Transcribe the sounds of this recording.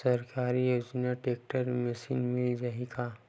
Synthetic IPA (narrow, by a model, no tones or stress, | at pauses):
ɐɾkaːɾijoːd͡ʒnaʈeːk̚ʈəɾmɛsḭːnmɪld͡ʒaɦika